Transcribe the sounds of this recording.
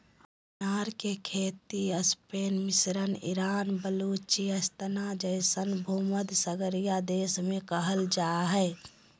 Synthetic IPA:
naːɾkekʰeːt̪iəspeːnmisɾənḭɾaːnbəlut͡ʃiəst̪ənad͡ʒəɪsənbʱuməd̪səɡəɾijad̪eːsmẽkəɦəld͡ʒaɦɛː

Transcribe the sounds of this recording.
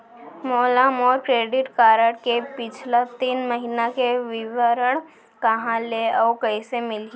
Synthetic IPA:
mɔːlaːmɔːɾkɾeːɖɪʈkaːɾəʈkepɪt͡ʃʰlat̪iːnməɦinakeʋɪʋəɾəɽ̃ | kɐɦãleɔːkəɪsemɪle

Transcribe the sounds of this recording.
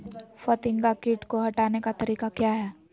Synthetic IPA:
fɐt̪ɪ̃ŋɡakiːʈkoɦɐʈaːnekat̪ɐɾiːqakjaːɦɛː

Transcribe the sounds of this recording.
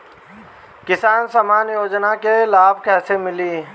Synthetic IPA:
kɪsaːnsəmaːnjoːd͡ʒnakelaːbkɛːsemɪliː

